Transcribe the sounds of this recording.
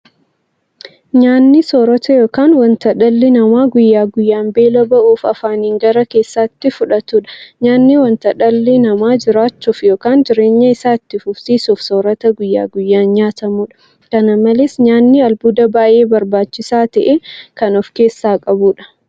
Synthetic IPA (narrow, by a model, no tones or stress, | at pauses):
ɲaːnːɪsoːɾɐt̪ɐjo̞ːkaːnwɐnt̪ɐᶑɐlːɪnɐmaːɡʊjːaːɡʊjːaːmbe̞ːlɐbɐʔuːfɐfaːniːŋɡɐɾɐke̞ːsːaːt̪ːɪfʊᶑɐt̪uːᶑɐ̥ɲaːnːɪwɐnt̪ɐᶑɐlːɪnɐmaːd͡ʒɪɾaːt͡ʃːuːfjo̞ːkaːnd͡ʒɪɾe̞ːɲːɐɪsaːɪt̪ːɪfʊfsiːsuːfsoːɾɐt̪ɐɡʊjːa̰ːɡʊjːaːnɲaːt̪ɐmuːᶑɐ̥ | kɐnɐmɐlesɲaːnːiɐlbuːd̪ɐbaːʔe̞ːbɐɾbaːt͡ʃːɪsaːt̪ɐʔekɐnɔfke̞ːsːaːkʼɐbuːᶑɐ̥